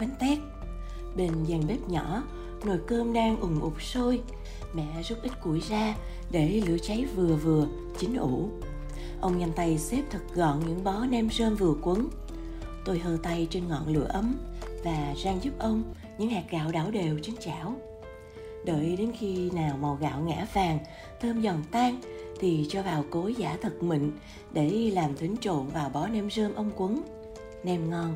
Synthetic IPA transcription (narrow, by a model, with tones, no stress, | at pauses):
kwɛ˨˦ŋt̪ɛ˦˥k̚ | ɓe˨˩n̟zaː˨˩ŋɓe˦˥t̚ɲɔ̰˧˥ | no˧˩˨jkəː˧mɗaː˧ŋʔʊ˨˩ŋ͡mʔʊ˨˩k͡p̚so˧j | mɛ̰˧˨zu˦˥t̚ʔi˦˥t̟̚ku˧˩jzaː˧ | ɗe˧˩lɨ̰˧˥ət͡ɕa˨˦jvɨ˨˩əvɨ˨˩ə | t͡ɕï˨˦ŋ̟ʔṵ˧˩ | ʔə˧wŋ͡mɲa˨˧˩nt̪a˧˩jse˦˥p̚t̪ʰɨ˨˩k̚ɣɔ̰˧˨nɲɨ̰˧˥ŋɓɔ˨˦nɛ˧mzəː˧nvɨ˨˩əkwə˨˦ŋ | t̪o˧jɦəː˨˩t̪a˧jt͡ɕe˧nŋɔ̰˧˨nlɨ̰˧˩˨əʔə˨˦mvaː˨˩zaː˧ŋzʊ˦˥p̚ʔə˧wŋ͡m | ɲɨ̰˧˥ŋhɛː˨˩k̚ɣa̰ː˧˨wɗaː˧˩wɗe˨˩wt͡ɕe˧nt͡ɕa̰ː˧˩˨w | ɗəː˧˨jɗe˨˦nxi˧naː˨˩wma˨˩wɣa̰ː˧˨wŋɛ̰˧˥faː˨˩ŋ | t̪ʰəː˧mzɔ˨˩nt̪aː˧ŋ | t̪ʰi˨˩t͡ɕɔ˧vaː˨˩wko˨˦za̰ː˧˥t̪ʰə˨˩k̚mï˧˨ŋ̟ | ɗe˧˩ɗi˧laː˨˩mt̪ʰï˨˦ŋ̟t͡ɕo̰˧˨nvaː˨˩wɓɔ˨˦nɛ˧mzəː˧nʔə˧wŋ͡mkwə˨˦ŋ | nɛ˧mŋɔ˧n